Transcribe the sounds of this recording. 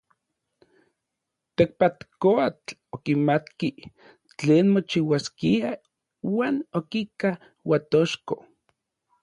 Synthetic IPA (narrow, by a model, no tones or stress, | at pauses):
t̪ek̚pat̪koat͡ɬokimat̪ki | t͡ɬeːnmot͡ʃiwaskia | waːnokika | wat̪oʃko